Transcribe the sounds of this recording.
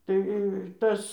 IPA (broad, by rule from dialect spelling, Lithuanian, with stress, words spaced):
ˈtɐɪ ˈtɐs